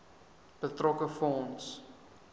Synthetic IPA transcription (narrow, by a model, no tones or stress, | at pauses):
pətrɔkəfɔ̃ns